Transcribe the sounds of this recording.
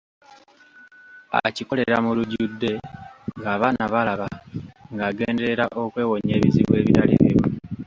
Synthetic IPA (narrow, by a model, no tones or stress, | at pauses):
a̰ciko̞le̞ɾamuluɟudːe̞ŋɡaːβaːnaβalaβaŋɡaːɡe̞ːnde̞ɾeɾaʔo̞kwe̞ːwo̞ɲe̞ːβiziβwe̞ːβiɾalḛːβḭɾu